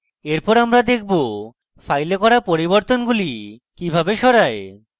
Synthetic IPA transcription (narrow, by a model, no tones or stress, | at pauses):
eɾpɔɾamɾad̪ekʰbo | fajlekɔɾapoɾiboɾt̪onɡulikibʱabeʃɔɾae